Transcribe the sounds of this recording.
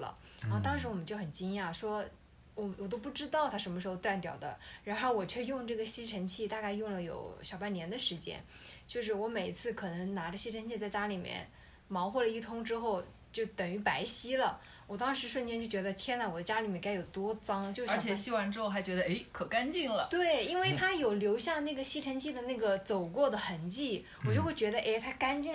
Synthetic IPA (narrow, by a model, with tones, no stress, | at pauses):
lə̰˩ | ɔ˥˧˩t̪ɑ˥ŋʂɻ̩˧˥wɔ˨˩mə˦t͡ɕo˥˩ʊxə˨˩nt͡ɕi˥ŋja˥˩ʂwɔ˥ | wɔ˨˩mwɔ˨˩t̪̬o˥ʊp̬u˥˩ʈ͡ʂɻ̩˥t̪ɑ˥˩ʊt̪ʰa˥ʂ̬ə˧˥nməʂɻ̩˧˥xo˥˧ʊt̪wa˥˩npjɑ˨˩ʊd̪ə̰˦ɻa˧˥nxo˥˩ʊwɔ˨˩t͡ɕʰɥɛ˥˧jʊ˥˧ŋʈ͡ʂɤ˥˩ɡə˩ɕi˥ʈ͡ʂʰə˧˥nt͡ɕʰi˥˩t̪a˥˧ka˥˧ɪjʊ˥˩ŋlə˩jo̰˨˩ʊɕjɑ˨˩ʊpa˥˩njɛ˧˥nd̪ə˨˧ʂɻ̩˧˥t͡ɕjɛ̰˥n | t͡ɕjo˥˧ʊʂ̬ɻ̩˥˩wɔ˧˥me˨˩ɪi˧˥t͡sʰɹ̩˥˩kʰɤ˨˩nɤ˧˥ŋna˧˥ʈ͡ʂə˧ɕi˥ʈ͡ʂʰə˧˥nt͡ɕʰi˥˧t͡sa˥˩ɪt͡ɕja˥li˨˩mjɛ̰˥˩n | mɑ˧˥ʊxwɔ˥˩lə˩i˥˩t̪ʰʊ˥ŋʈ͡ʂɻ̩˥xo˥˩ʊ | t͡ɕjo˥˩ʊt̪ə˨˩ŋy˧˥pa˧˥ɪɕi˥lə˨ | wɔ˨˩t̪ɑ˥ŋʂɻ̩˧˥ʂwə˥˩nt͡ɕjɛ˥nt͡ɕjo˥˩ʊt͡ɕɥɛ˧˥d̪ə˧t̪ʰjɛ˥nlwɔ˨˩d̪ə˦˥t͡ɕja˥li˨˩mjɛ˥˩nka˥ɪjo˨˩ʊt̪wɔ˥t͡sɑ˥ŋt͡ɕjo˥˧ʊʂə˞˧˥t͡ɕʰjɛ˥˨˩ɕi˥wa˧˥nʈ͡ʂɻ̩˥xo˥˩xa˧˥ɪt͡ɕɥɛ˧˥d̪ə˧e˥˩ɪkʰɤ˨˩ka˥nt͡ɕi˥˩ŋlə˩t̪we˥˩ɪi˥nwe˥˩ɪt̪ʰa˥jo˨˩ʊljo˧˥ʊɕjɑ˥˧ŋna˥˩ɡə˩ɕi˥ʈ͡ʂʰə˧˥ŋt͡ɕʰi˥˩d̪ə˩na˥˩ɡə˩t͡so˨˩ʊkwɔ˥˩d̪ə˩xə˧˩nt͡ɕi˥˩ | wɔ˨˩t͡ɕjo˥˧ʊxwe˥˩ɪt͡ɕɥɛ˧˥d̪ə˧ʔe˥˩ɪt̪ʰa˥ka˥nt͡ɕi˥˩